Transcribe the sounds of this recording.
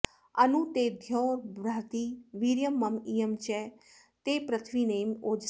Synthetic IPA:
ənuːt̪eːd̪ʱjɔːɾbɾaːt̪iːʋiɾjəmːəmiːəmt͡ʃɛː | t̪eːpɾət̪ʰʋiːneːmoːd͡ʒ

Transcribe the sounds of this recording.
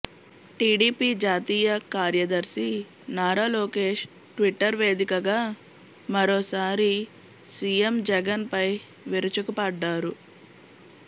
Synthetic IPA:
ʈiːɖiːpiːd͡ʒaːt̪iːjɐkaːɾjɐd̪ɐɾsi | naːɾaːloːke̞ːʃ | ʈʋiʈːɐɾʋe̞ːd̪ikɐɡaː | mɐɾoːsaːɾi | sijemd͡ʒɛɡɐnpɐj | ʋiɾut͡ʃukɐpɐɖːaːɾu

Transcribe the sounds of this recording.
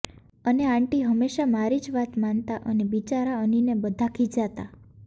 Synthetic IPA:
əneãɳʈiɦəmːeʃamaɾid͡ʒʋat̪mant̪aʔənebit͡ʃaɾaəninebəd̪ʱakʰid͡ʒat̪a

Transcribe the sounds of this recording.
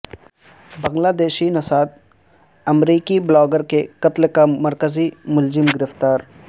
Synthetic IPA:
bɐ̃ŋɡlaːd̪eːʃinɐsaːt̪̚ | ɐmɾiːkiblɔːɡəɾkekɐt̪lkamɐɾkəzimʊlzɪmɡɪɾɪft̪aːɾ

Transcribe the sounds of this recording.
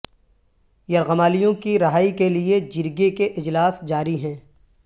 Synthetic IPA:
jɐɾɣɐmaːlijõkiɾɐɦaːikelied͡ʒɪɾɡekeʔɪd͡ʒlaːsd͡ʒaːɾiɦɛ̃ː

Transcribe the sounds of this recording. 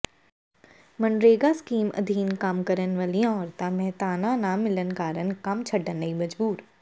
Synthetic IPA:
mɐnɾeːɡaskiːmɐ̰d̪ʱiːnkaːmkɐɾənʋaːlijãɔːɾt̪ãmɛɦt̪aːnanaːmɪlənkaːɾənkɐmt͡ʃʰɐɖənːɐimɐd͡ʒbuːɾ

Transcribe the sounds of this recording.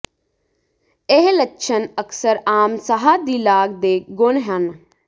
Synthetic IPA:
ɪɦlətːʃʰənəkʰsəɾaːmsəɦaːd̪ilaːɡd̪eːɡʊnɦən

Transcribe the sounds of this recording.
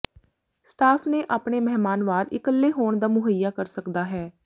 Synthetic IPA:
sʈaːpʰneːʔaːpɳeːmɛɦmaːnʋaːɾɪkəlːeːɦoːɳd̪aːmʊɦəjaːkəɾsəkd̪aːɦɛː

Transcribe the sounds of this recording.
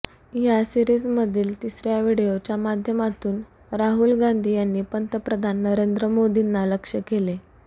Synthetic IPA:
jasiɾiːd͡zməd̪ʱiːlt̪isɾjaʋiɽiot͡ɕjamad̪ʱjəmat̪uːn | ɾaɦulɡand̪ʱiːjanːiːpənt̪əpɾəd̪ʱanːəɾend̪ɾəmod̪ʱinːaləkʂəkele

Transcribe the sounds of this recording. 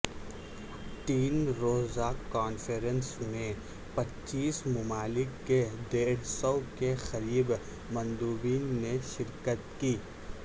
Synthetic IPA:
ʈiːnɾoːzakaːnfeɾənsmẽ | pɐtːt͡ʃiːsmʊmaːlɪkːed̪eːɽ̤sɔwkexɐɾiːb | mɐ̃nd̪uːbiːnːeʃɪɾkət̪kiː

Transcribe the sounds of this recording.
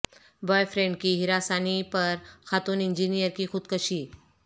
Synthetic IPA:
bɔːjfɾẽɳɖ̚kiɦɪɾaːsaːnipɐɾxaːt̪uːnɪ̃nd͡ʒinijəɾkixʊd̪kəʃi

